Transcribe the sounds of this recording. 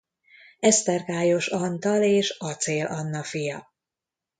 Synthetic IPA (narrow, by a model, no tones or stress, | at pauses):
ɛst̪ɛrkaːjo̞ʃɒnt̪ɒleːʃɒt̪seːlʔɒnːɒfijɒ